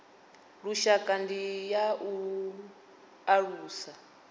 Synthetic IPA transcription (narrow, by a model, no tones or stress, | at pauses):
ɺuʃakʼandijaʔu | aɺuːsa